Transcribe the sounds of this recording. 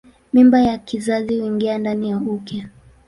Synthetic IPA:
mimbajakizazihuiŋɡiandanijaukja

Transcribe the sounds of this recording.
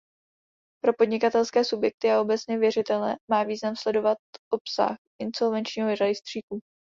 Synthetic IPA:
pɾo̞po̞dɲɪkat̪ɛlskɛːsubjɛk̚t̪ɪao̞bɛt͡sɲɛvjɛrɪt̪ɛlnɛmaːviːznamslɛdo̞vat̪̚ʔo̞psa̰xʔɪnso̞lvɛnt͡ʃɲiːɦoɾadɪst̪r̝̥iːku

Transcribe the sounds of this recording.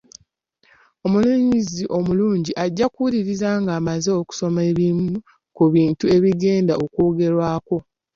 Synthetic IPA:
o̞muluɲiziʔo̞muluːɲɟiʔaɟːakuliɾizaːŋɡaːmaze̞oku̥so̞meβimu | kuβiːntue̞βiɡe̞ːndao̞koːɡe̞ɾwaːko̞

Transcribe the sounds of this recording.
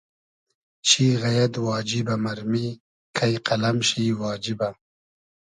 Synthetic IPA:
ʃiːɣɐjad̪wɑːd͡ʒibamaɾmi | kʰajqɐlamʃiwɑːd͡ʒiba

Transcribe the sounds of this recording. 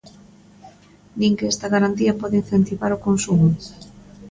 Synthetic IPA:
nĩŋkeɛst̪aɣaɾant̪iapɔðein̟θent̪iβaɾokonsumu

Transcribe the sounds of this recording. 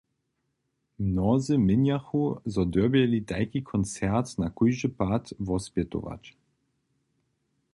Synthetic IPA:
mnɔzɨmɪnjaxuzɔd̪øbjɛlit̪ajkikʰɔnt͡sɛʁt̪nakujʒəpat̪vɔspjɛt̪o̰ʋa̰t͡ɕ

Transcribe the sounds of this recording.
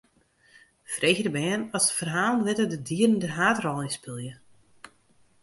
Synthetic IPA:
freːɣərəbɛːnɔsə̥fərɦaːlˠənʋɪtədədiərən̩dərɦaːtrɔlˠɪnspɪlˠjə

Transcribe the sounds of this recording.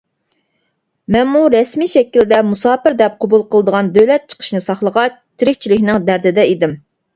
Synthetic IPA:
mɛnmuɾɛsmiʃɛkʲild̪ɛmusɑːpɪɾd̪ɛp̚qʰobulˠqʰəlˠəd̪əʁɑnd̪ølɛt̪̚t͡ʃʰə̥qʰə̥ʃnɨsɑχlˠəʁɑt͡ʃt̪ʰːɪɾɪkʲt͡ʃʰilɪkʲnɪŋd̪æɾd̪ɪd̪ɛid̪ɪm

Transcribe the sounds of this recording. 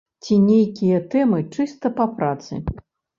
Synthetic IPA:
t͡sʲinʲejkʲijɐt̪ɛmɨt͡ʂɨst̪ɐpapɾat̪sɨ̰

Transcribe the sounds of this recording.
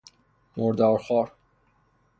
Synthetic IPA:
moɾd̪ɒːɾxɒːɾ

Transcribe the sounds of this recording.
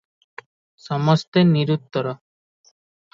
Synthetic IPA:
ʃɔmɔst̪eniɾut̪ːɔɾɔ

